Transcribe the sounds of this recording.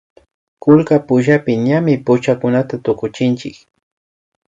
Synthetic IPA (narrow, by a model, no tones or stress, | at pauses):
kʊlkapʊʃapɪɲamɪpʊt͡ʃakʊnat̪at̪ʊkʊt͡ʃɪnt͡ʃɪk